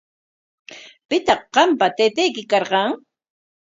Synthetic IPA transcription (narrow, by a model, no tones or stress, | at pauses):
pɪt̪ɑχɢɑmpat̪eːt̪ejkɪkɑɾqɑŋ